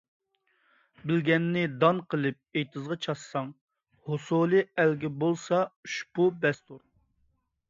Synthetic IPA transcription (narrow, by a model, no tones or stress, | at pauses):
bɪlɡʲɛnːɪd̪ɑnqʰəlˠɨp̚ejt̪ʰɨzʁɑt͡ʃʰɑssːɑŋ | hosolˠɨælɡʲɪbolˠsɑyʃpubɛst̪uɾ